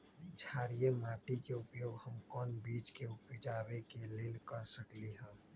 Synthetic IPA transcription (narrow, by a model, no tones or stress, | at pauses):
d͡ʒʱaːɾijemaːʈikeʊpjoːɡɦəmkɔːnbiːt͡ʃkeʊpd͡ʒaːbekeleːlkəɾsəkliɦə̃